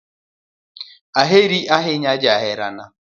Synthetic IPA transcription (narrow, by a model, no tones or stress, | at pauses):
aɦeɾiaɦɪɲad͡ʒaɦɪɾana